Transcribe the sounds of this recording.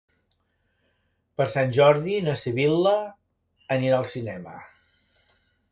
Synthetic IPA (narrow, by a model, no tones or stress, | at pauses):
pəɾsanʲʒɔɾðinəsiβilˠə | əniɾaːlˠsinɛmə̰